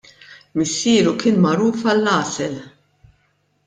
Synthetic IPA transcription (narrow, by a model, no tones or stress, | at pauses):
mɪsːiːɾukɪːnmɐɾuːfɐlːɐːsɛl